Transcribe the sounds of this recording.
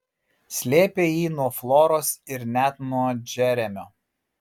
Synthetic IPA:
sʲlʲeːpʲeːjiːnuɔflˠɔɾoːsɪɾnʲæt̪nuɔd͡ʒʲɛɾʲɛmʲoː

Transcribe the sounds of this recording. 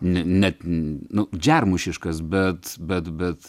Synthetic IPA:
nʲɛnʲɛt̪nʊd͡ʒʲærmʊʃʲɪʃkɐsbʲɛt̪bʲɛt̪bʲɛt̪

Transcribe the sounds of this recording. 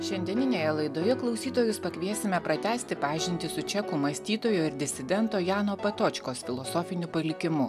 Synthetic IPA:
ʃʲɛnʲd̪ʲiɛnʲɪnʲeːjɛlˠɐɪd̪oːjɛklˠɒʊsʲiːt̪oːjʊspɐkʲʋʲiɛsʲɪmʲɛpɾɐt̪ʲæːsʲt̪ʲɪpɑːʒʲɪnʲt̪ʲɪsʊt͡ʃʲɛkʊmɐsʲt̪ʲiːt̪oːjoːɪɾd̪ʲɪsʲɪd̪ʲɛnt̪oːjɑːnoːpʲɛt̪oːt͡ʃʲkoːsfʲɪlˠɔsoːfʲɪnʲʊpɐlʲɪkʲɪmʊ

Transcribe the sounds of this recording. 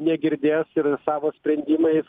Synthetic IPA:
nʲɛɡʲɪɾʲd̪ʲeːsɪɾsɑːʋoːsʲpʲɾʲɛnʲd̪ʲɪːmɐjɪs

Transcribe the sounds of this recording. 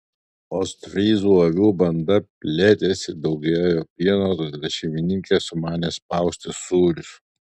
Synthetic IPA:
oːst̪ʲɾʲiːzuːɐʋʲuːbɐnd̪ɐpʲlʲeːt̪ʲeːsʲɪd̪ɒʊɡʲɛːjoːpʲiɛnoːt̪od̪ʲd̪ʲɛʃʲɪmʲɪnʲɪŋʲkʲesʊmɑːnʲeːspɐˑʊsʲt̪ʲɪsuːɾʲʊs

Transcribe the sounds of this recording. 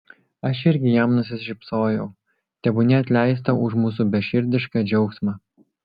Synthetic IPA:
ɐʃɪɾʲɡʲɪjɛmnʊsʲɪsʲʃʲɪpsoːjɛʊ | t̪ʲɛbʊnʲɛɐt̪ʲlʲæˑɪst̪ɐʔʊʃmuːsubʲɛʃʲɪɾʲd̪ʲɪʃkɑd͡ʒʲɛʊksmɑ

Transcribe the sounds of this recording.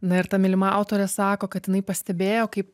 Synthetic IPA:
nɐɪɾt̪ɐmʲɪlʲɪmɐɑʊt̪oːɾʲɛsɑːkoːkɐt̪jɪnɐɪpɐsʲt̪ʲɛbʲeːjoːkɐɪp

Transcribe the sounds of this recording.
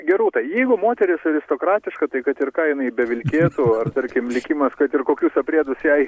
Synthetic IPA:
ɡʲɛɾuːt̪ɐjɛɪɡʊmoːt̪ʲɛɾʲɪsɐɾʲɪst̪oːkɾɑːt̪ʲɪʃkɐt̪ɐɪkɐt̪ɪrkɑːjɪnɐɪbʲɛʋʲɪlʲkʲeːt̪ʊɐrt̪ɐɾʲkʲɪmlʲɪkʲɪmɐskɐt̪ɪrkoːkʲuːsɐpʲɾʲeːd̪ʊsjɛɪ

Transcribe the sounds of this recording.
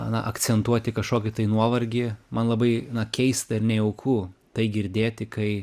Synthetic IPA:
nɐʔɐkt͡ssʲɛnt̪uɔt̪ʲɪkɐʃkoːkʲɪt̪ɐɪnuɔʋɐɾʲɡʲɪmɐnlˠɐbɐɪnɐkʲɛɪst̪ɐɪɾnʲɛɪɛʊkʰuːt̪ɐɪɡʲɪɾʲd̪ʲeːt̪ʲɪkɐɪ

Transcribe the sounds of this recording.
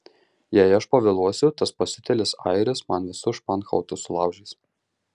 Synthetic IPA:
jæɪɐʃpɐʋʲɛlˠuɔsʲʊt̪ɐspɐsʲɪt̪ʲɛlʲɪsɑ̰ɪɾʲɪsmɐnʋʲɪsʊʃpɑnxɐ̰ʊt̪ʊsʊlˠɑˑʊʒʲɛɪs

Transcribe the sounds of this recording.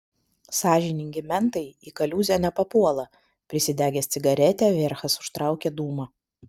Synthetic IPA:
sɑːʒʲɪnʲɪŋʲɡʲɪmʲɛnt̪ɐɪiːkɐlʲuːzʲonʲɛpɐpuɔlˠɐ | pʲɾʲɪsʲɪd̪ʲæːɡʲɛːst̪sʲɪɡɐɾʲɛt̪ʲɛːʋʲɪɾxɐsʊ̥ʃt̪ɾɑˑʊkʲeːd̪uːmɐ

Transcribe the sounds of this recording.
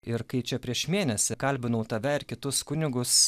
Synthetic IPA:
ɪɾkɐɪt͡ʃʲɛpʲɾʲiɛʃmʲeːnʲɛsʲɪkɐlʲbʲɪnɐʊt̪ɐʋʲɛɪɾkʲɪt̪ʊskʊnʲɪɡʊs

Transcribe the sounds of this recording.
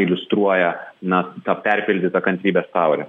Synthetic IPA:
ɪlʲʊst̪ɾuɔjɛnɐt̪ɑːpʲɛɾʲpʲɪlʲd̪ʲɪt̪ɐkɐnʲt̪ʲɾʲiːbʲɛːst̪ɑʊɾʲɛ

